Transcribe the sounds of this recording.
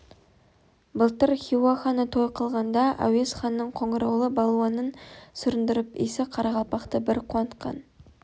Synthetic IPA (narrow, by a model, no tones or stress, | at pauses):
bəlˠt̪əɾχʲiwaχɑnət̪ʰo̞jqʰəlˠʁɑnd̪ɑʔæ̰we̞sχɑnːəɴqʰo̞ɴəɾɑwlˠəbɑlˠuɑnənsʏɾɪnd̪ɪɾɪpḭjsɪqʰɑɾɑʁɑlˠpɑqt̪əbɪɾqʰwɑnt̪qɑ̰n